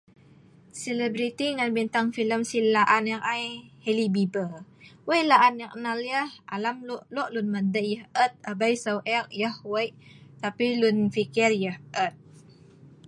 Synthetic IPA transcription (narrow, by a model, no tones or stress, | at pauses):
sələbɾit̪iŋanbint̪aŋfiləmsilaʔanəŋajhelibibəwəjlaʔanək̚naljəhʔalamlʔlɔʔlunməd̪əʔjəhət̪̚əbajsawʔɛkjəhwəjʔt̪apilunfikirjəhʔət̪̚